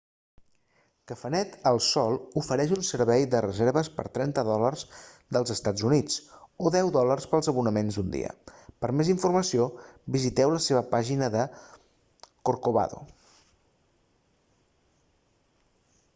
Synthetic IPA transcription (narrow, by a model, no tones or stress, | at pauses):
kəfənɛt̪əlˠsɔlˠufəɾɛʃunsəɾβɛjðərəzeɾβəspə̰ɾt̪ɾɛnt̪əðɔlərz | d̪əlˠzəst̪ad͡zunit͡soðɛwðɔlərspəlˠzəβunəmenzd̪und̪ḭə̰pəɾmeziɱfuɾməsiobizit̪ɛwləseβəpaʒinəðə | koɾkoβa̰ðo̰